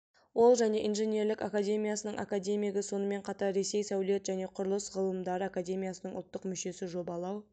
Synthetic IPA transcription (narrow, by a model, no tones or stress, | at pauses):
wo̞lˠʒæne̞ʔinʒenʲe̞ɾlɪkakad̪ʲe̞mʲijasənəɴʔa̰kad̪ʲe̞mʲijeɡʲɪso̞nəme̞ɴqʰɑt̪ɑɾːe̞se̞jsæwle̞t̪ʒæne̞qʰʊɾəlˠəsʁəlˠəmd̪ɑɾəakad̪ʲe̞mʲijasənəɴʊ̰lˠt̪ːəqmʏʃe̞sɪʒo̞bɑlˠɑw